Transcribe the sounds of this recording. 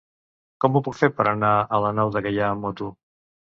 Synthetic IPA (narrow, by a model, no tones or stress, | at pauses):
kɔmupukfeɾpəɾənaələnawðəkɛʎaːmot̪u